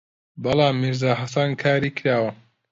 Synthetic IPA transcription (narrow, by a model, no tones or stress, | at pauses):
bɐlɑːmːiɾzaːɦɐsankʰaːɾiːkʰɾaːwɐ